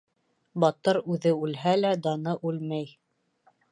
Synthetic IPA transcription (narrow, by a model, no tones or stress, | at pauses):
bɑt̪ɤɾʉðɘʉlɦælæd̪ɑnɤʔʉlmæj